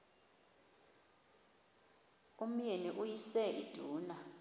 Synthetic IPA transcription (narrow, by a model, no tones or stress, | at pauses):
um̩jeniʔujisɛʔid̥ʱuːna